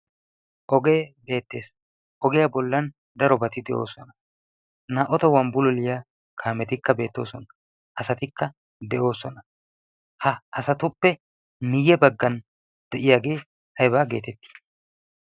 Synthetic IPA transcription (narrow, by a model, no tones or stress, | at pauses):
ʔɔɡe̞ːbe̞ːt̪ːe̞ːs | ʔɔɡɛjɐbɔlːɐn | d̪ɐɾɔbɐt̪ɪd̪ɛʔo̞̰ːsɔnɐ | naːʔɔt̪ɔwɐmbʊlɔlɪjaː | kʰaːmɛt̪ɪkːɐbe̞ːt̪ːo̞̰ːsɔnɐ | ʔɐsɐt̪ɪkːɐ | d̪ɛʔo̞ːsɔnɐ | hɐɐsɐt̪ʊpːɛ | nɪjːɛbɐɡːɐn | d̪̥ɛʔɪjaːɡe̞ː | hɐjbaːɡe̞ːt̪ɛt̪ːi̥